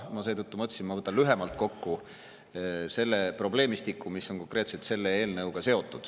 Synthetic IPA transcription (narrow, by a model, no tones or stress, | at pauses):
mɑse̞ːt̪ut̪ːumɤt̪ʲːsinmːɑvɤt̪ːˑɑnlyɦe̞mɑlt̪̚ˑko̞kːu | se̞lːepro̞ble̞ːmist̪ikːˑumisːo̞nko̞ŋkɾe̞ːt̪selt̪se̞lːeeːlnɤwɡ̥ɑse̞o̞t̪ːˑud̪̥